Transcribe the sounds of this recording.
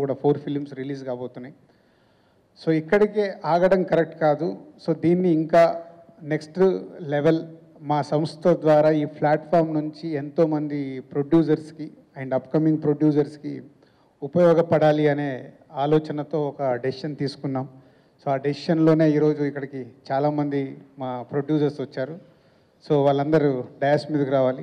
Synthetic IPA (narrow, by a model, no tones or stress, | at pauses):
kuːɽaːpʰoːɾpʰilmsɾiliːskaːboːt̪unːaːji | so̞ːikːɐɽikeːʔaːɡɐɽɐmkɐɾek̚ʈkaːd̪uso̞ːd̪iːnːiːŋkaː | neksʈleʋel | maːsɐmst̪ʰɐd̪ʋaːɾaːiːpʰlaːʈpʰaːɾmnuɲt͡ʃient̪o̞ːmɐnd̪ipɾoɖjuːsɐɾski | ɐeɳɖɐpkɐmiŋɡ̚pɾoɖjuːsɐɾskḭ | upɐjɔːɡɐpɐɽaːliɐne̞ː | aːlɔːt͡ʃɐnɐt̪o̞ːɔkɐːɖiʂɐnt̪iːsu̥kunːaːm | so̞ːɐɖiʂɐnlo̞ːne̞ːiːɾo̞ːd͡ʒuikːɐɽɐkit͡ʃaːlaːmɐnd̪imaːpɾoɖjuːsɐɾsʋɐt͡ʃːaːɾu | so̞ːʋaːɭːɐnd̪ɐɾuɖɐjaːsmiːd̪ɐkuɾaːʋaːli